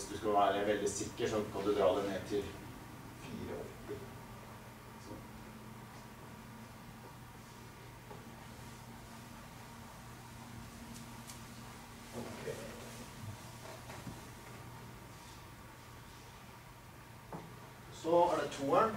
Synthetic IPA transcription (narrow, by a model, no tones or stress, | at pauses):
sd̪ʉskɑʋæːɾəʋɛld̪ɪsɪkːəʂɔnkʰɑnd̪ʉd̪ɾɑːd̪ɛneːt̪ʰɪl | fḭːɾə̰ɔ̰ɾtːɪɾ | sɔ | kʰ | sɔæɖɛt̪ʰuːæn